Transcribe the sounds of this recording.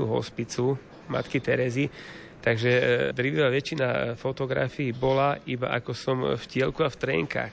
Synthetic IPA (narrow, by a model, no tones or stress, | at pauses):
uɦɔ̰spit͡su | ma̰t̪kit̪ɛɾɛzi | t̪aɡʒɛd̪ɾiʋiʋaʋɛt͡ʃinafɔt̪ɔɡɾa̰fiːbɔlaiba̰ʔa̰kɔsɔmfcɪɛlkuaft̪ɾɛ̰ŋka̰ːx